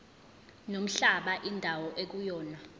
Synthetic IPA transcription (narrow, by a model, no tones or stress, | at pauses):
nom̩ɬaɓaʔindʱawɔʔek̬ujɔːna